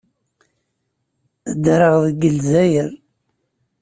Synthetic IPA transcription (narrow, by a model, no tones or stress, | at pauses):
əd̪ɾəʁðəɡəlzæjəɾ